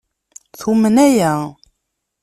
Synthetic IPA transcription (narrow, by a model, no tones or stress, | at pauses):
θumənæjæ